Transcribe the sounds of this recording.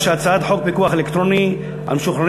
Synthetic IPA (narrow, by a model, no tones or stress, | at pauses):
ʃeat͡saad̪ħok̚bekuaχelekt̪ʁoni | a̰mʃuχɾan